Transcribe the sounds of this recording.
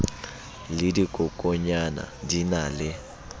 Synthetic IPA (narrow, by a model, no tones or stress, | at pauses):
lɪdikʼʊkʼɔɲana̰dinalɪ